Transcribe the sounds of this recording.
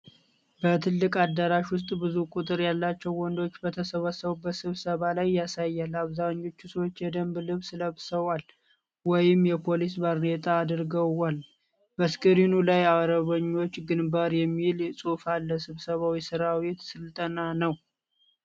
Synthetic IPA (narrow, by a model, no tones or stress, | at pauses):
bət̪ʰɨlːɨkʼad̪ːəɾaʃwʊst̪ʼbɨzukʼut̪ʼɨɾjalːat͡ʃːɛwːɔnd̪o̞t͡ʃːbət̪ʰəsəβəsəβubət̪sɨβsəβalajːasajːalaβzaɲːo̞t͡ʃːusəwo̞t͡ʃːjɛd̪əmblɨβsɨləβsəwal | wɔjɪmjɛpʰo̞lisbaɾnet̪ʼaːd̪ɾɡəwal | bəskʼəɾinulajawɾəβəɲːo̞t͡ʃːɡɨnbaɾjɛmːilsʼofalːəsɨβsəβawisɨɾawet̪sɨlt̪ʼənanəw